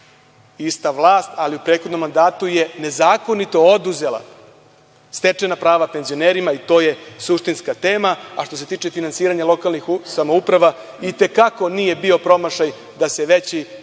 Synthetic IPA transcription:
ist̪aʋlˠaːst̪aliupɾeːt̪xo̞d̪nomːand̪aːt̪uje̞ne̞zaːko̞nit̪o̞od̪uze̞lˠa̰ | st̪e̞t͡ʂenapɾaːʋape̞nzioneːɾimait̪o̞ːje̞suʃt̪inskat̪e̞ːmaaʃt̪o̞se̞t̪iːt͡ʃe̞finansiːɾaɲalo̞kalˠnixsamoupɾaʋa | it̪e̞kako̞nije̞bio̞pɾo̞maʃaj | d̪aseʋet͡ɕi

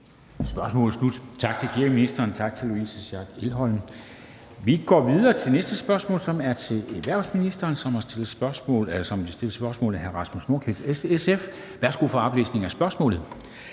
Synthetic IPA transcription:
sb̥ɶɐsmɔ̰̽ːlð̩ˠslud̥t͡sʰɑ̈ɡ̥̚t͡sʰe̝lkʰiɐɡ̥əminisd̥ɐːnt͡sʰɑ̈ɡ̥̚t͡sʰe̝luisəsæɡ̥e̝lɦɒ̽ln̩ | ʋiɡ̥ɒ̰ːʋiðˠɐːt͡sʰe̝nesd̥əsb̥ɶɐsmɔ̰̽ːlsɒ̽mæɐt͡sʰe̝leʋæɐ̰ʊsminisd̥ɐːnsɒ̽mæsd̥e̝lð̩sb̥ɶɐsɔ̰ːlsɒ̽md̥isd̥e̝lsb̥ɶɐsmɔ̰ːlð̩ˠɦæɐʁɑ̈smusno̝ɐkʰid̥eesef | ʋæɐsɡ̥ufɒɑ̈b̥lḛːsne̝ŋæsb̥ɶɐsmɔ̰̽ːlð̩ˠ

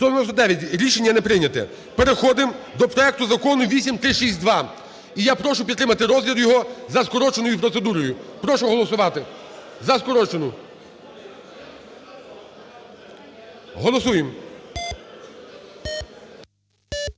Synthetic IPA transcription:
t̪ɔnɔsɔd̪ɛʋʲjɐtʲɾʲiʃe̞nʲːɐnɛpɾɪjnʲɐt̪ɛ̰ | peɾexɔd̪ɪm | d̪ɔpɾɔɛk̚t̪ʊzɐkɔnʊʋʲisʲimt̪ɾɪʃisʲtʲd̪ʋɑ | ijapɾɔʃʊpʲid̪t̪ːɾɪmɐt̪ɪɾɔzʲlʲiɾjɔɦɔzɐskɔɾɔt͡ʃenɔjʊpɾɔt̪sed̪uɾɔjʊpɾɔʃʊɦɔlˠɔsʊʋɑt̪ɪ | zɐskɔɾɔt͡ʃenʊ | ɦɔlˠɔsujem

